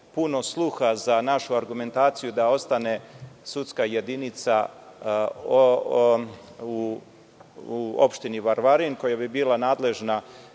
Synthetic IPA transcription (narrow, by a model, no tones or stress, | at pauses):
puno̞slˠuxazanaʃuaɾɡume̞nt̪aːt̪sijud̪ao̞st̪ane̞sut̪skaje̞d̪init̪sa | u | o̰pʃt̪iniʋaɾʋaɾinko̞jabibiːlˠanaːd̪le̞ʒna